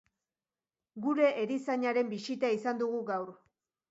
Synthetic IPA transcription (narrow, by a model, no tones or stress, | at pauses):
ɡuɾe̞ʔːɾisaɲaɾe̞mbisit̪eaisand̪uɣ̞uɡawɾ